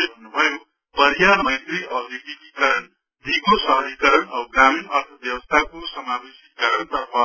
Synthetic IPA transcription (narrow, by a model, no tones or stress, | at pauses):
ebʱʌnnːubʱʌjo | pʌɾjamʌjt̪riʔʌɡiʈikikaɾʌn | d̪ʱiɡosʌɦʌikʌɾʌnʌɡɾaminʌrt̪ʰʌbjʌwʌst̪ʰakosʌmabesikːʌɾʌnt̪ʌpʰʌ